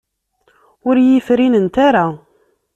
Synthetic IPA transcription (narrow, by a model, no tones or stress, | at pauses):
ʊɾjifɾinənt̪aɾa